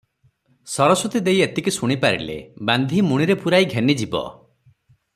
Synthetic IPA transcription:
sɔɾɔsɾut̪id̪ejet̪ikisuɽ̃ipaɾḭlḛband̪ʱimuɽ̃iɾepuɾaiɡʱenid͡ʒibɔ̰

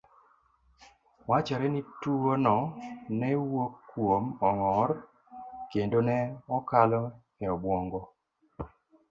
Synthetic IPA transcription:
wat͡ʃaɾɛnituonɔnɛwokːwomɔŋɔr | kendonɛɔkalɔ | ɛɔbwɔŋɡɔ

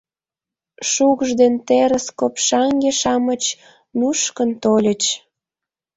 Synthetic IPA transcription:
ʃukʒd̪ent̪eɾəskopʃɑŋɡeʃɑmət͡ɕ | nuʃkənt̪olʲət͡ɕ

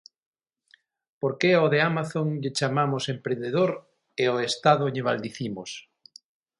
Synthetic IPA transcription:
poɾkeoðeamaθoŋʎet͡ʃamamosempɾẽnd̪eðoɾ | eoest̪aðʊʎeβald̪iθimos

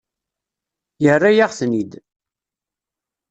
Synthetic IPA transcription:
jərːajaʁθnid̪

